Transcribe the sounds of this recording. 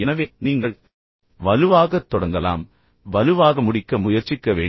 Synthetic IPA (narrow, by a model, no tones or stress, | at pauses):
ɛnɐʋeːniːŋɡɐɭ | ʋɐlɯʋaːɣɐt̪ːɔɽɐŋɡɐla̰ːm | ʋɐlɯʋaːɣɐmʊɽɪkːɐmʊjɐɾt͡ʃɪkːɐʋḛː